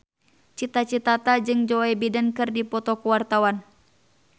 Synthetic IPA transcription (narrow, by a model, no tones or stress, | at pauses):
t͡ʃit̪at͡ʃit̪at̪ad͡ʒɨŋd͡ʒɔɛbidankɨrdipɔt̪ɔkuwart̪awan